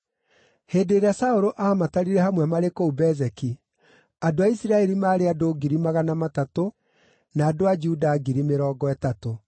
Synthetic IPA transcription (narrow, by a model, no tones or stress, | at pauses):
heːdeːɾeasaoɾoʔaːmataɾiɾɛhamwɛmaɾekoubɛzɛki | adoaisiɾaɛɾimaːɾeadoɡiɾimaɣanamatato | naːdoad͡ʒuudaːɡiɾimeɾɔːɡɔɛtato